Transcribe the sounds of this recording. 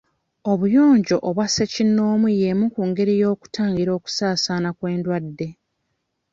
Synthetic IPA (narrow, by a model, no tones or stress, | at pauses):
oβujo̞ːɲɟo̞ʔːβwasecinːo̞ːmuje̞mukuːŋɡe̞ɾijo̞ːku̥taːɲɡiɾo̞ːku̥saːsaːnakwe̞ːndwadːe̞